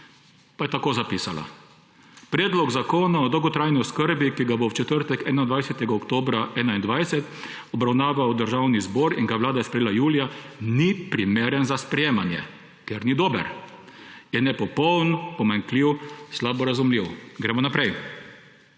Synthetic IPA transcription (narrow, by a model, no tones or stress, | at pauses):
pajɛt̪akoːzapisala̰ | pɾɛːd̪lɔɡzakoːnaɔd̪ɔwɡɔt̪ɾajniɔskəɾbikiɡabɔwt͡ʃɛt̪əɾt̪ɛkɛːnaind̪ʋajsɛt̪ɛɡaɔkt̪oːbɾaʔɛːnaind̪ʋajsɛt̪ | ɔbɾawnaːʋawd̪əɾʒawnizbɔːɾiŋɡaʋlaːd̪ajspɾɛjeːlajuːlijanipɾimeːɾənzaspɾɛjeːmanjɛ̰ | kɛɾnid̪oːbə̰ɾ | jɛnɛpɔpɔwnpɔmaŋkliwslabɔɾazumliwɡɾɛmɔnapɾɛj